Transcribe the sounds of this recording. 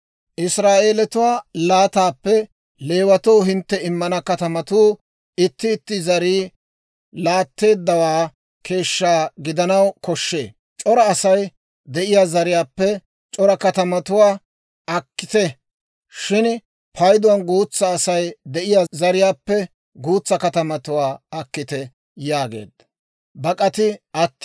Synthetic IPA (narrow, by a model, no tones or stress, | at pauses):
ʔɪsɾaːʔe̞ːlɛt̪ʊwaːlaːt̪aːpːɛ | le̞ːwɐt̪oːɦɪnt̪ːɛɪmːɐnɐkɐt̪ɐmɐt̪uː | ɪt̪ːɪːt̪ːɪzɐɾiː | laːt̪ːe̞ːd̪ːɐwaː | kʰe̞ːʃːaːɡɪd̪ɐnɐwkɔʃːe̞̰ː | t͡ʃʼɔɾɐːsɐj | d̪ɛʔɪjaːzɐɾɪjaːpːɛ | t͡ʃʼɔɾɐkɐt̪ɐmɐt̪ʊwaː | ɐkːɪ̥t̪ɛ | ʃɪn | pʰɐjd̪ʊwɐnɡuːt͡sːɐːsɐjd̪ɛʔɪjazɐɾɪjaːpːɛ | ɡuːt͡sːɐkɐt̪ɐmɐt̪ʊwaːɐkːɪt̪ɛ | jaːɡe̞̰ːd̪ɐ | bɐkʼɐt̪ɪɐt̪ː